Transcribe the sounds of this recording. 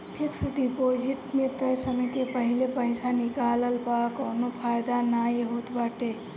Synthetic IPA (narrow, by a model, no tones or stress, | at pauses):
hɪɾsut̪ipoːd͡ʒɪʈmẽt̪əɾsəməjkepəɦilepəjsanikaːləlpakɔːnopʰaːjd̪anajɦut̪baːʈe